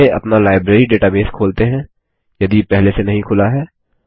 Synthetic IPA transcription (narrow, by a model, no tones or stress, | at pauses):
eʔɐ̰pnalaːɪbɾeːɾiɖeːʈabeːskʰoːlt̪eɦɛ̃ː | jɐd̪ipɛɦlesenɐɦĩkʰʊlaɦɛː